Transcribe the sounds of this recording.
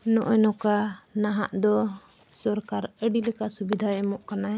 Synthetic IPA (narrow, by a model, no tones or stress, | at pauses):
nɔʔɔnɔkanaɦa̰ʔd̪ɔ | sɔɾkaɾəɖilɛkasubid̪ʱaɛmɔʔkana